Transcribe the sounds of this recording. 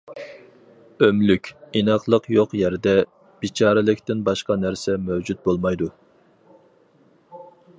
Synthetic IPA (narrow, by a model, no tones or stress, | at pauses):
ømlykʲinɑqlˠəqjoqjɛɾd̪ɛ | b̥it͡ʃʰɑːɾɪlɪkʲt̪ɪnbɑʃqɑnæɾsɛmɛwd͡ʒut̪̚bolˠmɑjd̪u